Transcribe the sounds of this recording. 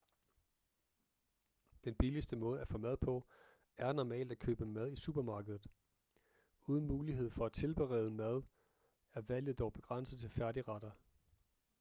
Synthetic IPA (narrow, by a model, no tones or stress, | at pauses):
d̥enb̥ilisd̥əmɔ̽ːð̞̩ˠæfɔ̽mæð̞ˠpʰɒ̽ | æɐnɒmɛ̰ːld̥ækʰø̰ːb̥əmæð̞ˠisṵːb̥ɐmɑ̈ːɡ̥əð̞ˠð̩ˠ | uːð̞ˠən̩muːliɦe̝ð̰ˠfɒ̽æ̥t͡sʰe̝lb̥eʁɛ̰ːðˠəmæð̞ˠ | æɐʋæl̰jð̩ˠd̥ɒʊb̥e̝ɡ̥ʁɑn̰sð̩ˠt͡sʰe̝lfæɐɾiʁɑɾ̥ɐ